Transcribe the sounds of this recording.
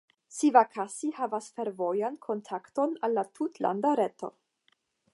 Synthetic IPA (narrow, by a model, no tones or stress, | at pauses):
sivakʰasihavasfe̞ɾvo̞jankʰo̞ntʰakto̞nalːatʰutla̰ndaɾe̞to̞̰